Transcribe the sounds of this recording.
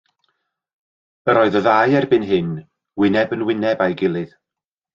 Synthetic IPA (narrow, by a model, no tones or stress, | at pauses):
əɾɔɨðɔðajɛrbɪnɦɨn | wɪnɛbənwɪnɛbajɡɪlˠɨð